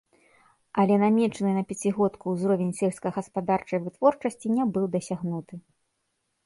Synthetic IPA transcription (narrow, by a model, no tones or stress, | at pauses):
ɐlʲɛnamʲɛt͡ʂɐnɨnɐpʲat͡sʲiɣɔt̪kuwzɾɔvʲenʲsʲɛlʲskɐɣɐspad̪art͡ʂɐjvɨt̪vɔrt͡ʂɐsʲt͡sʲinʲɛbɨwd̪ɐsʲaɣnut̪ɨ